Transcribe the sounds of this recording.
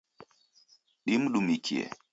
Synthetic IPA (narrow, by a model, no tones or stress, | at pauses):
ɗim̩ɗumikʰiɛ̰